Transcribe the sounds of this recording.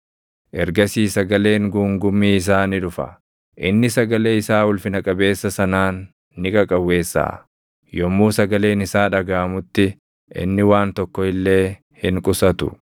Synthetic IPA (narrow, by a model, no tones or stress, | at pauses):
ʔɛɾɡɐsiːsɐɡɐle̞ːŋɡuːŋɡʊmːiːɪs̬aːnɪᶑʊfɐ̰ | ʔɪnːɪsɐɡɐle̞ːɪsaːwʊlfɪnɐkʼɐbe̞ːsːɐsɐnaːnː | ɪkʼɐkʼɐwːe̞ːsːa̰ː | jɔmːuːsɐɡɐle̞ːnɪsaːᶑɐɡaːmʊt̪ːɪ | ʔɪ̰nːɪwaːnt̪ɔkːɔɪlːe̞ː | hɪŋkʼʊsɐt̪ʊ̥̰